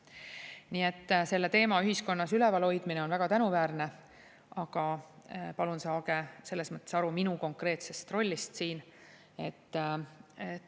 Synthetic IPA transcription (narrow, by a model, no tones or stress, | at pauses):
niːe̞t̪ːse̞lːe̞t̪e̞ːmɑyɦisko̞nːɑsylɛvɑlho̞jd̪̥mineo̞nvæɡ̥ɑt̪ænuvæːɾne̞ | ʔɑɡ̥ɑpɑlunsɑːɡ̥e̞se̞lːe̞smɤt̪ːˑe̞sɑɾuminuko̞ŋkre̞ːt̪se̞st̪ro̞lʲːist̪siːn | e̞t̪ːe